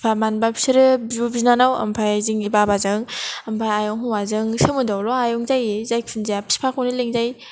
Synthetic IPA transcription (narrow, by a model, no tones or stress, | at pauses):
pʰamanbapʰi̥sʰɯɾɯbzubiznanawɐ̰mpʰajziŋɡibabazɯŋampʰajajɔŋɦɔŋwazɯŋsɯmɯdawlɔajɔŋzajezajkʰunzijapʰi̥si̥pʰakʰɔwnileŋzaj